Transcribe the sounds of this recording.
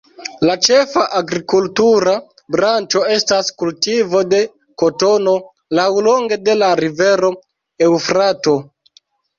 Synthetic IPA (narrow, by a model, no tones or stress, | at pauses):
lat͡ʃe̞faʔaɡɾikultuɾa | bɾant͡ʃo̞e̞staskultivo̞de̞ | ko̞to̞no̞ | lawlo̞ŋɡe̞de̞laɾive̞ɾo̞ | ewfɾato̞